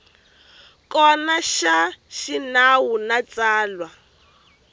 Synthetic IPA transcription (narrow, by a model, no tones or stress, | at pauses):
kɔnaʃaʃinawunat͡saːlwa